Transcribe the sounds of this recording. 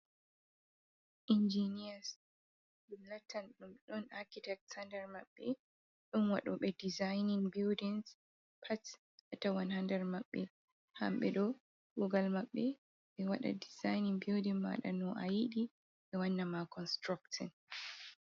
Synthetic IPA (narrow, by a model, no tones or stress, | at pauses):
ʔind͡ʒinias | ilatʰanɗumɗɔnakitɛk̚tsandɛɾmaɓːɛ | ɗɔnwa̰ɗɔɓɛdizajniŋbildins | pʰat | ʔatawanhandɛɾmaɓːɛ̰ | ha̰mɓɛ̰ɗɔ | kuɡalmaɓːɛ | ɓɛwaɗa̰dizajniŋbildinma̰ɗa̰nɔʔa̰jiɗi | ɓɛwanːamakɔnstɾaktɔ̰n